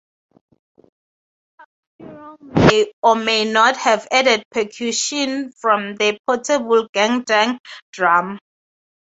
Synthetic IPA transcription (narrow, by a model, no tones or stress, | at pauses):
eɔmenɔthɛvɛdɛd̚pʰɛkʰjuʃɔ̃nfɹɔ̃mðəpʰɔtʰɛbəlɡãŋdãŋd̥ɹam